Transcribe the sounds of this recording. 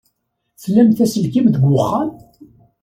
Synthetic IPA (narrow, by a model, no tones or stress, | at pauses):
θəlːæmθæsəlkimðəɡʷʊχːɑn